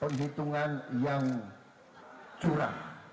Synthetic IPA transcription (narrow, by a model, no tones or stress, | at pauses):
pəŋɦit̪uŋanjaŋ | d͡ʒ̥uɾa̰h